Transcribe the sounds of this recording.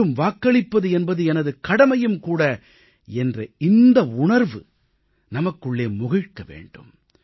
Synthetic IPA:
ɯmʋaːkːɐɭɪpːɐðɯɛnbɐðɯɛnɐðɯkɐɽɐmɐjɯmkuːɽɐ | ɛndrɐɪnd̪ɐʊɳɐɾʋɯ | nɐmɐkːɯɭːeːmʊɣɪɻkːɐʋḛːɳɖɯ̰m

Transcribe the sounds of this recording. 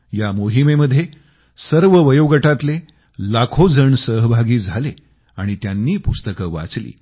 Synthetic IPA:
jamoɦimeməd̪ʱːje | səɾʋəʋəjoɡəʈat̪le | lakʰod͡zəɳsəɦbʱaɡiːd͡zʱale | aɽ̃it̪janːiːpust̪əkəʋa̰t͡slḭː

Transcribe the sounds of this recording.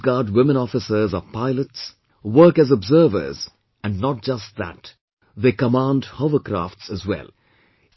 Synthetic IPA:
ɡɑːɾdwɪmə̃nɔfɪsə˞zɔvpaɪləts | wəɾkæzɔbzəːvə̰˞z | æ̃nɖnɔt̚d͡ʒʌst̚ðæ̰t | ðeːkəmãndhoʊvəkɾa̰ftsəzwɛ̰l

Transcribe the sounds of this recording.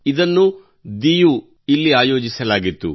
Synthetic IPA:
id̪ɐnːu | d̪iju | ilːiaːjo̞ːd͡ʒisɐlaːɡit̪ːṵ

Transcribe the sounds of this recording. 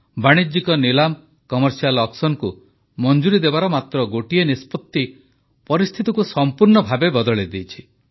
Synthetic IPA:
baɽ̃id͡ʒikɔnilam | kɔmɔɾsialɔksɔnku | mɔnd͡ʒuɾid̪ebaɾɔmat̪ɾɔɡoʈienispɔt̪ːi | pɔɾist̪ʰit̪ɔkusɔmpuɾɳɔbʱabebɔd̪ɔɭed̪ijt͡ʃʰi̥

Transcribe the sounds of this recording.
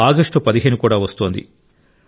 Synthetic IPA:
aːɡɐʂʈupɐd̪iɦeːnukuːɽaːʋɐst̪oːnd̪ḭ

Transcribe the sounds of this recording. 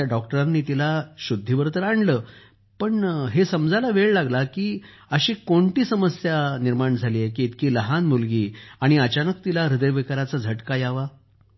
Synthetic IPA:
jaɖɔk̚ʈəɾanːiːt̪ilaɕud̪ʱːiʋəɾt̪əɾaɳɖləː | pəɳɦesəmd͡zʱalaʋeɭlaɡlakiː | əɕiːkoɳʈiːsəməsjaniɾmaɳd͡zʱaliːjekiːt̪kiːləɦanmulɡiːaɽ̃iət͡ɕanək̚t̪ilaɾid̪əjʋekaɾat͡sad͡zʱəʈkajaʋa

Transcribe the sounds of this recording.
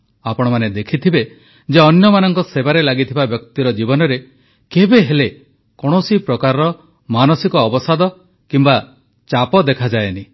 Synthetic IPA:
apɔɽ̃ɔmaned̪ekʰit̪ʰibe | d͡ʒeɔnjɔmanɔŋkɔsebaɾelaɡit̪ʰibabjɔkt̪iɾɔd͡ʒibɔnɔɾe | kebeɦele | kɔɽ̃ɔsipɾɔkaɾɔ | manɔsikɔːbɔsad̪ɔ | kimba | t͡ʃapɔd̪ekʰad͡ʒaeni

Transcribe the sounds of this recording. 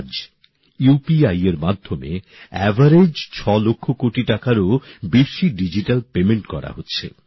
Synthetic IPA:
d͡ʑ | jupiajeɾmad̪ʱːomḛ | ɛbʱaɾed͡ʑt͡ɕʰɔlokʰːokoʈiʈakaɾobeʃiɖid͡ʑiʈalpemeɳʈkɔɾa̰ɦotːɕʰḛ

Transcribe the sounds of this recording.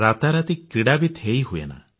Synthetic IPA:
ɾat̪aɾat̪ikɾiɽabit̪ʰejɦuḛna̰

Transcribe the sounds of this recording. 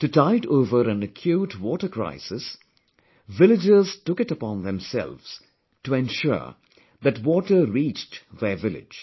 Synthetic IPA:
tɨtaɪɾoːvəɾæ̃nɨkʰjuːtʰwɔːʈə˞kɾa̰ɪsɪs | ʋɪlɪd͡ʒɪztʊkɪtəpɔ̃nðɛ̃msɛ̰lvz̥ | tuɛ̃nʃʊ̰ | ðætwɔːʈəɾiːt͡ʃtðəvɪlɪ̰d͡ʒ̥

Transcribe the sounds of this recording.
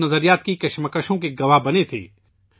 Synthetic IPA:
nɐzəɾijaːt̪kikɐʃməkəʃõkeɡɐʋaɦbɐnet̪ʰḛː

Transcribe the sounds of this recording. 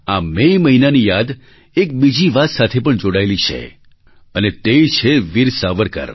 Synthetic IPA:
amejməɦinanijad̪ | ek̚bid͡ʒiʋat̪sat̪ʰepəɳd͡ʒoɽaelit͡ʃʰḛ | ənet̪et͡ʃʰeʋiɾsaʋəɾkə̰ɾ

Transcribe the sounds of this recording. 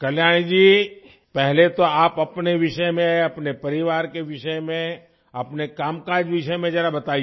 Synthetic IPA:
kɐljaːɽ̃id͡ʒiː | pɛɦlet̪oaːpɐpneʋɪʃəjmẽɐpnepɐɾɪʋaːɾkeʋɪʃəmẽ | ɐpnekaːmkaːɾd͡ʒʋɪʃəmẽd͡ʒɛːɾabɐt̪aːi

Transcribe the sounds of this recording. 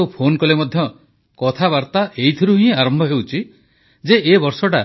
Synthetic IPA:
wpʰonkɔlemɔd̪ʱjɔ | kɔt̪ʰaβaɾt̪aʔeit̪ʰiɾuɦĩĩaɾɔmbʱɔɦewt͡ʃʰi | d͡ʒeʔebɔɾsɔʈa

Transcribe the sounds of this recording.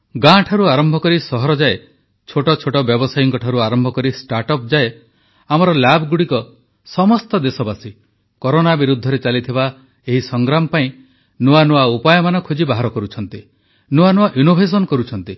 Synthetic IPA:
ɡãʈʰaɾuaɾɔmbʱɔkɔɾisɔɦɔɾɔd͡ʒae | t͡ʃʰoʈɔt͡ʃʰoʈɔbjɔbɔsajiŋkɔʈʰaɾuaɾɔmbʱɔkɔɾisʈaɾʈɔp̚d͡ʒae | amɔɾɔlabʱɔɡuɽikɔ | sɔmɔst̪ɔd̪esɔbasi | kɔɾonabiɾud̪ʱːɔɾet͡ʃalit̪ʰiba | eɦisɔŋɡɾamɔpaĩ | nuanuaupajɔmanɔkʰud͡ʒibaɦaɾɔkɔɾut͡ʃʰɔnt̪i | nuanuaʔjunobʱes̬ɔnkɔɾut͡ʃʰɔnt̪i

